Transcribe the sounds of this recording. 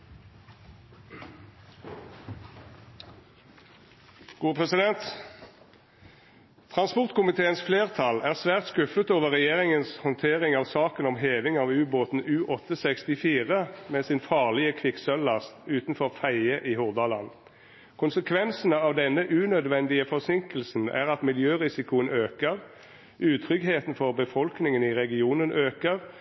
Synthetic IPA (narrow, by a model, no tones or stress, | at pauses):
ɡ̥uːəpʰʁɛsɪd̪ɛnt̪ | t̪ʰʁɑnspɔʁt̪kʊmɪt̪ʰeːənsfleːʁt̪ʰɑlæːʁsʋæːʁt̪skʉfət̪oːʋəʁɛjeːʁɪŋənshɔnt̪ʰeːʁɪŋɑːʋsɑːkənɔmɦeːʋɪŋɑːʋʉːboːt̪n̩ʉːʔɔt̪əsɛkst̪ɪfiːʁəmeːsɪnfɑːʁlɪəkʰʋɪksœlːɑst̪ʉːt̪n̩fɔʁfæɪəʔihʊʁd̪ɑlɑn | kʰʊnsəkʰʋɛnsənəɑːʋd̪ɛnːəʔʉːnœd̪ʋɛnd̪ɪəfɔʁsɪŋkəlsn̩æ̰ːʁɑt̪mɪljøːʁɪsɪkʊənøːkəʁ | ʔʉːt̪ʰʁʏɡɦeːt̪n̩fɔʁbəfɔlknɪŋənɪʁɛɡɪuːnənʔøːkəʁ